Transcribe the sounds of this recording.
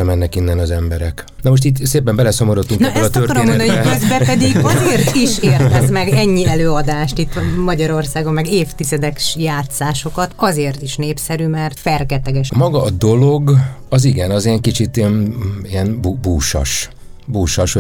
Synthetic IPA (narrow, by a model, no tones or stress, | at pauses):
ɛmɛnːɛkinːɛnɒzɛmbɛɾɛk | nɒmoʃt̪it̪seːpɛmbɛlɛsomoɾot̪ːuŋknɒʔɛt̪ørtkɔɾomːmond̪køzbɛpɛd̪iɡɒzeːrt̪iʃeːrɛzmɛɡɛɲːiɛløːɒd̪aːʃt̪it̪ːmɒɟɒɾo̞rsaːɡomːɛɡeːft̪izɛd̪ɛkʃjaːt̪saːʃo̞kɒt̪ɒzeːrt̪iʃneːpsɛɾymɛrt̪fɛrkɛt̪ɛɡɛʃmɒɡɒːd̪o̞loɡɒziɡɛnɒziɛŋkit͡ʃit̪iɛniɛnbubuːʃɒ̰ʃ | buːʃɒʃho